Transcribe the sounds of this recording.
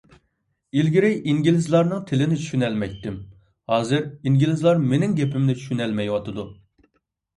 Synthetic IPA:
ilɡʲiɾɪjiŋɡʲilɪzlˠɑɾnɨŋt̪ʰɪlɪnɪt͡ʃʰy̥ʃynɛlmɛjt̪ːɪm | hɑːzɨɾiŋɡʲilɪzlˠɑɾmenɪŋɡʲɛpɪmnɪt͡ʃʰy̥ʃynɛlmɛjwɑt̪ʰɨd̪u

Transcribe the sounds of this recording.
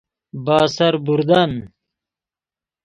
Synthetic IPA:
baːsɐɾbuɾd̪ɐn

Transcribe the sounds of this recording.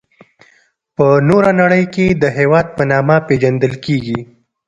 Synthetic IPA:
pənoɾanaɽəjked̪əɦewɑd̪̚pənɑmaped͡ʒand̪əlkeɡi

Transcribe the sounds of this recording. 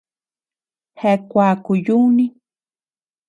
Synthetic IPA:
hekʷaːkʊjuni

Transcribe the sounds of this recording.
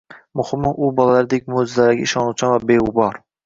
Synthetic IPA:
mʊhɪmːʊʔʊbɒlˠalaɾɪd̪ek̚ʲmozzalaɡʲa̰ɪʃɒnuwt͡ʃʰanvabeubɒɾ

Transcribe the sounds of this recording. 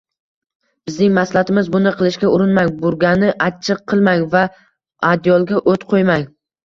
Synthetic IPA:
b̥ɪznɪŋmaslˠat̪ʰɪmɪzbʊnɪqʰɨlˠɪʃkʲaʊɾɪnmaŋʲbʊɾɡʲanɪʔat͡ʃʰɨq̚ʰːɨlˠmaŋʲva | ad̪jɒlˠɡʲaʔot̪qʰojmaŋʲ

